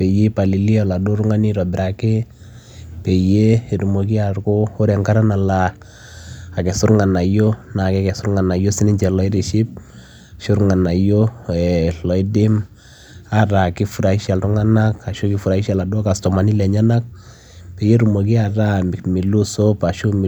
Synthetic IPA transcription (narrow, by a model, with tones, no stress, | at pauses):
pɛ˨je˦pa˨li˨li˦ɔ˨la˨do˦ɾʊ˦ŋa˦ni˦ɾɔ˨bɪ˨ɾa˨ke˦ | pɛ˨je˦˨ɾu˨mo˨ki˦arko˦ʊ˦ɾɛ˨ŋka˦ɾa˦na˨la˨ | a˨kɛ˨sʊ˦ɾŋa˨na˨jo˦na˨kɛ˦kɛ˨sʊ˦ɾŋa˨na˨jo˦sɪ˦nɪ˦ɲt͡ʃɛ˨lɔ˦ɪ˦ɾi˨ʃɪ˦p̚ | aʃʊ˦ɾŋa˨na˨jo˦ɛ˨lɔ˨ɪ˦dɪ˦m | a˦ɾa˨kɪ˦fu˨ɾa˨i˦ʃa˨lɾʊ˦ŋa˦na˦ka˨ʃo˦kɪ˦fu˨ɾa˨i˦ʃa˨la˨dʊ˦ka˨stɔ˨ma˨ni˦lɛ˨ɲa˦na˦k̚ | pe˨je˦ɾu˨mo˨ki˦a˨ɾa˦mɪ˨kmi˨lu˦so˦pa˨ʃu˦m˨